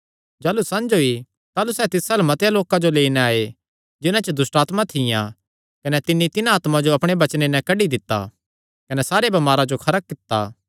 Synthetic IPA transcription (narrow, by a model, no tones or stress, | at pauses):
d͡ʒaːlusɐ̃nd͡ʒoi | t̪aːlusɛːt̪ɪsalɛmɐt̪jaloːkãd͡ʒoleːinɛaːe | d͡ʒɪnãt͡ʃəd̪ʊsʈaːt̪mat̪ʰɪjã̰ | kɐnɛt̪ɪnːit̪ɪnaaːt̪mãd͡ʒoɐpɽ̃ebɐt͡ʃnenɛ̃kɐɖid̪ɪt̪ːa̰ː | kɐnɛsaːɾebɐmaːɾad͡ʒokʰɐɾək̚kːɪt̪ːa̰ː